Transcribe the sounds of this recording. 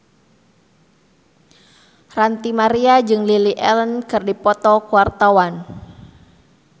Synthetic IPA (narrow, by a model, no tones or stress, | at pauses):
rant̪imaɾiad͡ʒɨŋliliʔɛlənkɨrdipɔt̪ɔkuart̪awan